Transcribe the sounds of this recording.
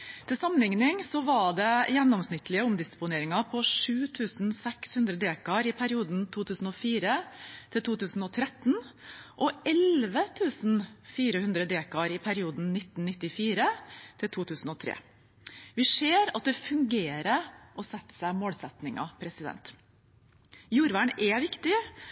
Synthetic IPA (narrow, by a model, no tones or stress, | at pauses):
t̪ʰɪlsɑmənlɪŋnɪŋsɔʋɑɖɛjɛnːɔmsnɪt̪ːlɪəʊmd̪ɪspʊneːɾɪŋɑpʰɔʂʉːt̪ʰʉːsnsɛkshʉnd̪ɾəd̪eːkɑɾɪpʰæɾɪuːd̪nt̪ʰuːt̪ʰʉːsn̩ɔfiːɾət̪ʰɪlt̪ʰuːt̪ʰʉːsn̩ɔt̪ʰɾɛt̪nʔɔɛlʋət̪ʰʉːsnfiːɾəhʉnd̪ɾəd̪eːkɑɾɪpʰæɾɪuːd̪n̩nɪt̪n̩nɪt̪ːɪfiːɾət̪ʰɪlt̪ʰuːt̪ʰʉːsn̩ɔt̪ʰɾḛː | ʋɪʂeːɾɑt̪̚d̪ɛfʉŋɡeːɾəɾʔɔsɛt̪ːə̥sæɪmoːlsɛt̪nɪŋɑ̰pʰɾɛsɪd̪ɛ̰nt̪ | juːɾʋæɳɛʋɪkt̪ɪ